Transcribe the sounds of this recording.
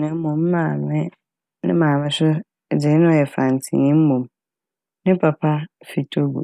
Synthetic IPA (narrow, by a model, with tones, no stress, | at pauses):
nɪ̃˨m̩˦mõ˨mː˦ãː˦˨mɪ̃˦ | nɪ̰̃˦mãː˨mɪ̃˦sʊ˦˨ | d͡zɪ˨˦ñ˦ɔ˨jɛ˨fã˨n˨tʰɪ̰̃˨ĩ˦m̩˦mõ˨m | nɪ̃˦pʰa˨pʰa˦fi˨tʰo˦ɡṵ˨